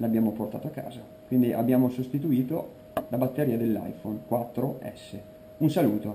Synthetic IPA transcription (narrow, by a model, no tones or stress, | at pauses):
labːjaːmoport̪a̰ːt̪oakːa̰ːza | kwind̪iʔa̰bːjaːmosost̪it̪uiːt̪o | labat̪ːeɾiːad̪elːa̰jfonkwat̪ːɾoɛ̰sːe | unsaluːt̪o